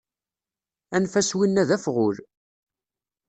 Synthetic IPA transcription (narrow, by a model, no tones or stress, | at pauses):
ænfæswinːæðæfʁʊɾ